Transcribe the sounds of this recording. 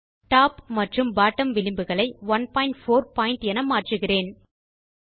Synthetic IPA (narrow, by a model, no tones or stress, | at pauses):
ʈaːpmɐʈrɯmbaːʈːɐmʋɪlɪmbɯɣɐɭɐɪʋɐnpaːɪɳʈfoːɾpaːɪɳʈɛnɐmaːʈrɯɣɪreːn